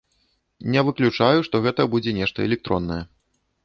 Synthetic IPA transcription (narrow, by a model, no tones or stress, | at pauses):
nʲɛvɨklʲut͡ʂajuʂt̪ɔɣɛt̪ɐbud͡zʲɛnʲɛʂt̪ɐɛ̰lʲɛk̚t̪ɾɔnːɐjɛ